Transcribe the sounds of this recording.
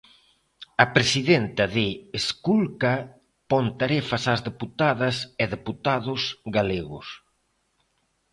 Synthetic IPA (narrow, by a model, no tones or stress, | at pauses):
ɐpɾesiðent̪ɐðɪeskulka | pɔnt̪aɾefasazðeput̪aðɐsɛðeput̪aðʊsɣaleɣʊ̰s